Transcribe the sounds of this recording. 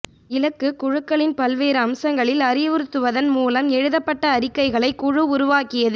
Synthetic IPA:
ɪlɐkːɯkʊɻɯkːɐɭɪnpɐlʋeːɾɐɐmsɐŋɡɐɭɪlɐɾɪjʋɯɾɯt̪ːɯʋɐðɐnmuːlɐmɛɻɯðɐpːɐʈːɐːɾɪkːɐɪɣɐɭɐɪkːʊɻɯʊɾʊʋaːkɪjɐðɯ

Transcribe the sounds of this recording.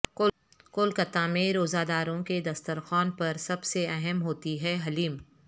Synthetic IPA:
k | kʊlkɐt̪ãmẽɾoːzaːd̪aːɾõked̪ɐst̪əɾxɔːnpɐɾsɐbseɛɦɛmɦoːt̪iɦɛɦɐliːm

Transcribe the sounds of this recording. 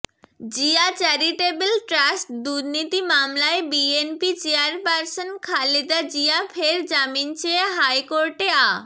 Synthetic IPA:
d͡ʑiat͡ɕaɾiʈebelʈɾasʈd̪uɾnit̪imamlaebienpit͡ɕeaɾpaɾsonkʰalid̪ad͡ʑiafʰeɾd͡ʑamint͡ɕeeɦajkoɾʈea

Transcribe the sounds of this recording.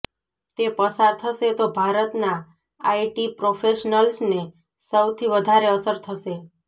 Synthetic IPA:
t̪epəsaɾt̪ʰəʃet̪obʱaɾət̪na | aiʈipɾofʰeʃnəlsne | səwt̪ʰiʋəd̪ʱaɾeəsəɾt̪ʰəʃe

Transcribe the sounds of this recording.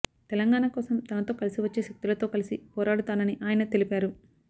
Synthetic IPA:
t̪ɛlɐŋɡaːnaːkɔːsɐmt̪ɐnɐt̪o̞ːkɐlisiʋɐt͡ʃːe̞ːʃɐk̚t̪ilɐt̪o̞ːkɐlisipɔːɾaːɽut̪aːnɐniʔaːjɐnɐt̪e̞lipaːɾu

